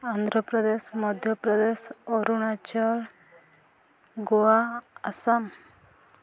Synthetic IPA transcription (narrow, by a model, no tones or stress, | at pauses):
and̪ʱɾɔpɾɔd̪esmɔd̪ʱjɔpɾɔd̪esɔɾunat͡ʃɔɾ | ɡɔaasam